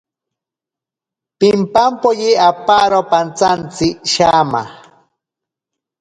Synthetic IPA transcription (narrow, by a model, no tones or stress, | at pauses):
pɪmpampojiapaɾopant͡sant͡sɪʃama̰